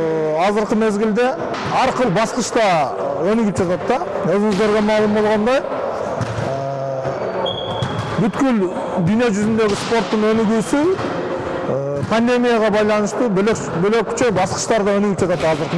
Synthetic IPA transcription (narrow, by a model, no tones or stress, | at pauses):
ɑzəɾqəme̞zɡʲɪld̪e̞ | ɑɾqəlˠbɑsqəʃt̪ɑ | ɵnʏɡɪp̚ʒɑt̪ɑt̪ːɑwɵzɪŋɪzd̪e̞ɾɡʲe̞mɑlˠəmbo̞lˠʁɑnd̪ɑj | ə | bʏt̪kʲʏl | d̪yjne̞ʒʏzʏnd̪e̞ɡʲɪspoɾt̪ːəɴɵnɪɡusɪ | pʰand̪e̞mʲijɑʁɑbɑjlˠɑnəʃt̪uble | bøle̞kʲʰʏ̥t͡ʃebɑsqə̥ʃt̪ɑɾd̪ɑɵnʏɡɪp̚ʒɑt̪ɑt̪ːɑzəɾqə